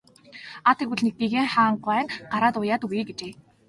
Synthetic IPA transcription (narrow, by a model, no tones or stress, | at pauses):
at̪ʰeɣuɮnek̚p̪iɣeːŋχaːɴɢwæːnɢaɾaːt̪ʊjaːt̪uiːɡet͡ɕeː